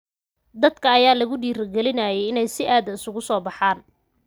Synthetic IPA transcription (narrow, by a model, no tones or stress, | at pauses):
d̪ɐd̪kʰɐːjaːlɐɣʊɖiːrɐɡɛlɪnaːjɛjɪnɛjsɪʔaːðɐɪsʊɣʊsɔːbɑħaːn